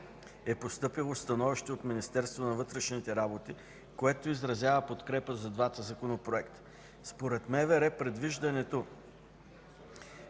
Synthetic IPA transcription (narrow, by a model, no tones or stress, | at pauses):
ɛpost̪ɤpilˠost̪ɐnɔviʃt̪iot̪minist̪ɛɾst̪vonɐvɤt̪ɾɛʃnit̪ɛɾabot̪i | koɛt̪oizɾɐzʲjavəpot̪kɾɛpəzɐd̪vat̪əzɐkonopɾoɛkt̪ə̥ | spoɾɛt̪mɛvɛɾɛpɾɛd̪viʒd̪ɐnɛt̪o